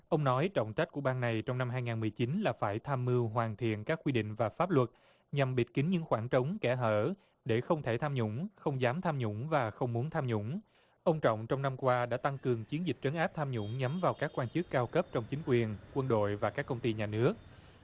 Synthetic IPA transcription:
ʔə˧wŋ͡mnɔ˨˦jt͡ɕə̰˧˨ŋ͡mt͡ɕa˦˥t̚ku˧˩əɓaː˧nna˨˩jt͡ɕɔ˧wŋ͡mna˧mɦaː˧jŋaː˨˩nmɨ˨˩əjt͡ɕi˨˦nlaː˨˩faː˧˩jt̪ʰaː˧mːɨ˧wɦwaː˨˩nt̪ʰḭ˧˨ənkaː˦˥kwi˧ɗḭ̈˧˨ŋ̟vaː˨˩faː˦˥p̚lwə˨˩t̚ | ɲa˨˩mɓi˨˩t̚ki˨˦ŋ̟ɲɨ̰˧˥ŋxwaː˧˩nt͡ɕə˨˦wŋ͡mkɛ˧˩ɦəː˧˩ | ɗe˧˩xə˧wŋ͡mt̪ʰe˧˩t̪ʰaː˧mɲʊ̰˧˥ŋ͡mxə˧wŋ͡mzaː˨˦mt̪ʰaː˧mɲʊ̰˧˥ŋ͡mvaː˨˩xə˧wŋ͡mmu˨˦nt̪ʰaː˧mɲʊ̰˧˥ŋ͡m | ʔə˧wŋ͡mt͡ɕɔ̰˧˨wŋ͡mt͡ɕɔ˧wŋ͡mna˧mkwaː˧ɗa̰ː˧˥t̪a˧ŋkɨ˨˩əŋt͡ɕi˨˦ənzi˨˩k̟̚t͡ɕə˨˦nʔaː˦˥p̚t̪ʰaː˧mɲʊ̰˧˥ŋ͡mɲa˨˦mvaː˨˩wkaː˦˥kːwaː˧nt͡ɕɨ˦˥kːaː˧wkə˦˥p̚t͡ɕɔ˧wŋ͡mt͡ɕï˨˦ŋ̟kwi˨˩ənkwə˧nɗo̰˧˨jvaː˨˩kaː˦˥kːə˧wŋ͡mt̪i˧ɲaː˨˩nɨ˦˥ək̚

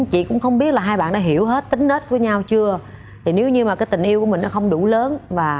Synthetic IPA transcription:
t͡ɕḭ˧˨kʊ̰˧˥ŋ͡mxə˧wŋ͡mɓi˦˥ət̚laː˨˩ɦaː˧jɓa̰ː˧˨nɗaː˧˦ɦi˧˩əwɦe˦˥t̚t̪ï˨˦ŋ̟ne˦˥t̚vəː˨˦ɲa˧wt͡ɕɨ˧ə | t̪ʰi˨˩ne˨˦wɲɨ˧maː˨˩kaː˨˦jt̪ï˨˩ŋ̟ʔi˧wku˧˩əmï˨˩ŋnɔ˨˦xə˧wŋ͡mɗu˧˩ləː˨˦nvaː˨˩

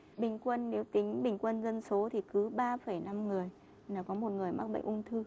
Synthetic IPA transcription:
ɓï˨˩ŋ̟kwə˧nːe˨˦wt̪ï˨˦ŋ̟ɓï˨˩ŋ̟kwə˧nzə˧nso˨˦t̪ʰi˨˩kɨ˨˦ɓaː˧fə˧˩jna˧mŋɨ˨˩əj | naː˨˩kɔ˨˦mo˨˩t̚ŋɨ˨˩əjma˦˥k̚ɓə̰˧˨ŋ̟ʔʊ˧ŋ͡mt̪ʰɨ˧

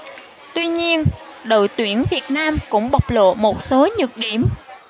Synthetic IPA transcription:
t̪wi˧ɲi˧ənɗo̰˧˨jt̪wi˧˩ənvi˨˩ət̚naː˧mkʊ̰˧˥ŋ͡mɓa˨˩wk͡p̚lo̰˧˨mo˨˩t̚so˨˦ɲɨ˨˩k̚ɗi˧˩əm

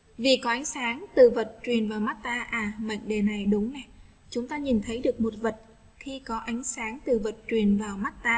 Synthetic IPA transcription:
vi˨˩kɔ˨˦ʔa˨˦ŋ̟saː˨˦ŋt̪ɨ˨˩və˨˩t̚t͡ɕwi˨˩ənvaː˨˩wma˦˥t̚t̪aː˧ʔaː˨˩ma̰˧˨ŋɗe˨˩na˨˩jɗʊ˨˦ŋ͡mnɛ˨˩ | t͡ɕʊ˨˦ŋ͡mt̪aː˧ɲi˨˩nt̪ʰə˨˦jɗɨ˨˩ək̚mo˨˩t̚və˨˩t̚ | xi˧kɔ˨˦ʔa˨˦jŋ̟saː˨˦ŋt̪ɨ˨˩və˨˩t̚t͡ɕwi˨˩ənvaː˨˩wma˦˥t̚t̪aː˧

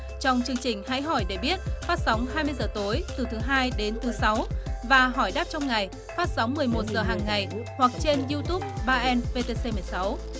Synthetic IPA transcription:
t͡ɕɔ˧wŋ͡mt͡ɕɨ˧əŋt͡ɕï˨˩ŋ̟ha̰˧˥jɦɔ˧˩jɗe˧˩ɓi˦˥ət̚faː˦˥t̚sa˨˦wŋ͡mɦaː˧jmɨ˧jzəː˨˩t̪o˨˦jt̪ɨ˨˩t̪ʰɨ˨˦ɦaː˧jɗe˨˦nt̪ʰɨ˨˦sa˨˦wvaː˨˩ɦɔ˧˩jɗaː˦˥p̚t͡ɕɔ˧wŋ͡mŋa˨˩j | faː˦˥t̚sa˨˦wŋ͡mmɨ˨˩əjmo˨˩t̚zəː˨˩ɦaː˨˩ŋːa˨˩jhwa˨˩k̚t͡ɕe˧nzi˧t̪u˦˥p̚ɓaː˧ʔɛ˧nve˧t̪e˧se˧mɨ˨˩əjsa˨˦w

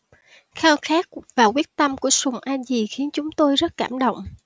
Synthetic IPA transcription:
xaː˧wxaː˦˥k̚vaː˨˩kwi˦˥ət̚t̪ə˧mku˧˩əsʊ˨˩ŋ͡mʔaː˧zi˨˩xi˨˦ənt͡ɕʊ˨˦ŋ͡mt̪o˧jzə˦˥t̚kaː˧˩mɗo̰˧˨wŋ͡mʔ

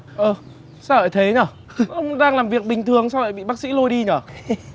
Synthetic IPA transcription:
ʔəː˨˩ | saː˧˩əː˧˨˩jt̪ʰe˨˦ɲə˧˩ | ə˧wŋ͡mɗaː˧ŋlaː˨˩mvi˨˩ək̚ɓï˨˩ŋ̟t̪ʰɨ˨˩əŋsaː˧wvə̰ː˧˨jɓḭ˧˨ɓaː˦˥k̚sḭ˧˥lo˧jɗi˧ɲəː˧˩

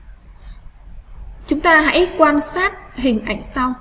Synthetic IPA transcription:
t͡ɕʊ˨˦ŋ͡mt̪aː˧ɦa̰˧˥jkwaː˧nsaː˦˥t̚ɦï˨˩ŋ̟ʔa̰˧˩jŋ̟sa˧w

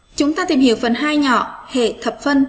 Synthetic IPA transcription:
t͡ɕʊ˨˦ŋ͡mt̪aː˧t̪ḭ˨˩mhḭ˧˨əwfə˧˩nɦaː˧jɲɔ̰˧˨hḛ˧˨t̪ʰə˨˩p̚fə˧n

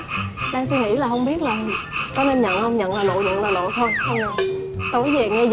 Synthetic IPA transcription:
ɗaː˧ŋs̬wi˧ŋi˧˥laː˨˩hə˧wŋ͡mɓi˦˥ət̚laː˨˩kɔ˨˦ne˧nɲə̰˧˨nhə˧wŋ͡mɲə̰˧˨nlaː˨˩lo̰˧˨zʊ̰˧˨ŋlaː˨˩lo̰˧˨t̪ʰo˧jxə˧wŋ͡mɲə̰˧˨wt̪o˨˦jze˨˩ŋɛ˧z

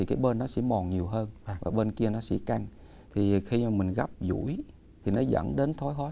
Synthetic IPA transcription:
i˨˩kaː˨˦jɓe˧nːɔ˨˦sɛ̰˧˥mɔ˨˩ɲi˨˩əwɦəː˧nvaː˨˩ɓeː˧nki˧ənɔ˨˦sɛ̰˧˥ka˧ŋ | t̪ʰi˨˩xi˧maː˨˩mï˨˩ŋ̟ɣa˦˥p̚zṵ˧˥j | t̪ʰi˨˩nɔ˨˦zə̰˧˥nɗe˨˦nt̪ʰɔ˨˦jɦɔ˨˦

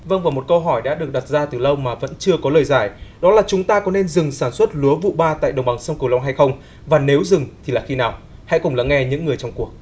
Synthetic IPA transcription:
və˧ŋvaː˨˩wmo˨˩t̚kə˧wɦɔ˧˩jɗa̰ː˧˥ɗɨ˨˩ək̚ɗa˨˩t̚zaː˧t̪ɨ˨˩lə˧wmaː˨˩və̰˧˥nt͡ɕɨ˧əkɔ˨˦ləː˨˩jzaː˧˩jɗɔ˨˦laː˨˩t͡ɕʊ˨˦ŋ͡mt̪aː˧kɔ˨˦ne˧nzɨ˨˩ŋsaː˧˩nswə˦˥t̚lu˨˦əvṵ˧˨ɓaː˧t̪a̰ː˧˨jɗə˨˩ŋ͡mɓa˨˩ŋsə˧wŋ͡mkɨ˨˩la˧wŋ͡mɦa˧jxə˧wŋ͡m | vaː˨˩ne˨˦wzɨ˨˩ŋt̪ʰi˨˩laː˨˩xi˧naː˨˩w | ha̰˧˥kʊ˨˩ŋ͡mla̰˧˥ŋɛ˧ɲɨ̰˧˥ŋːɨ˨˩əjt͡ɕɔ˧wŋ͡mku˨˩ək̚

